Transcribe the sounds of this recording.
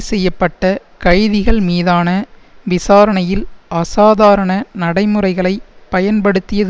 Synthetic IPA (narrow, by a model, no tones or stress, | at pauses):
sɛjːɐpːɐʈːɐ | kɐɻðɪɣɐɭmiːðaːnɐ | ʋɪsaːɾɐɳɐjɪlʔɐsaːðaːɾɐɳɐnɐɽɐɪmɯrɐɪɣɐɭɐɪpːɐjɐnpɐɽɯt̪ːɪjɐð